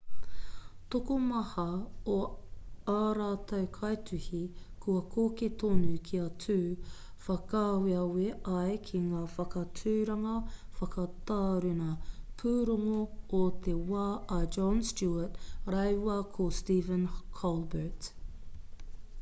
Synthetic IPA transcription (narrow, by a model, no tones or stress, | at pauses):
t̪okomɐhɐo | aːɾaːt̪ʰɐwkʰɐjtʉhi | kʰuɐkʰoːket̪oːnukʰiɐt͡sʰʉː | fɐkaːweɐweʔɐjkʰiŋaːfɐkɐt͡sʰʉːɾɐŋɐfɐkɐt̪aːɾʉnɐpʰuːɾoŋoːt̪ewaːʔɐd͡ʒɔnstuɐtɾɐjwɐkʰostiːvə̃nkʰɔlbət